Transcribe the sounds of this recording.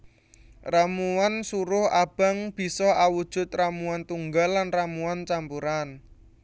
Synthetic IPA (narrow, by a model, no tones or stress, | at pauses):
ramuansuɾʊhab̥a̤ŋb̥i̤sɔawud̥ʒ̥ʊ̤t̪̚ramuant̪uŋɡalːanramuant͡ʃampuɾan